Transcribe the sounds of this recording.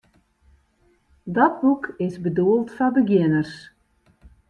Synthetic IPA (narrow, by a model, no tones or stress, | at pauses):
dɔt̚bukɪsbəduəlˠtfɔbəɡjɪnərs